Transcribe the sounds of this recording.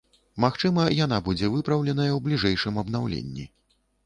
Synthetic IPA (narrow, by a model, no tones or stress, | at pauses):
maxt͡ʂɨmɐjan̪abud͡zʲɛvɨpɾɐwlʲɛn̪ɐjɐwblʲiʐɛjʂɨmɐbn̪awlʲḛnʲːḭ